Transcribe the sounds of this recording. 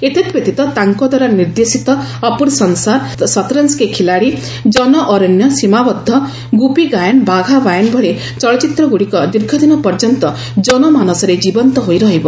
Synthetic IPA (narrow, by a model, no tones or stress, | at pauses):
et̪ʰet̪pet̪it̪ɔt̪aŋkɔd̪aɾɔniɾd̪esit̪ɔ | ɔpuɾsɔnsaɾsɔt̪ɾɔnskekʰilaɽi | d͡ʒɔnɔʔɔɾɔnjɔsimabɔd̪ʱːɔ | ɡupiɡajɔnbaɡʱabajɔnbʱɔɭe | t͡ʃɔɭɔt͡ʃit̪ɾɔɡuɽikɔd̪iɾɡʱɔd̪inɔpɔɾd͡ʒɔnt̪ɔ | d͡ʒɔnɔmanɔsɔɾed͡ʒibɔnt̪ɔɦojɾɔɦibɔ